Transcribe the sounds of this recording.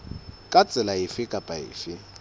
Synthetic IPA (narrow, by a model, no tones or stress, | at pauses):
kʼat͡sʼɪlaɪfɪkʼapʼaɪ̰ːfɪ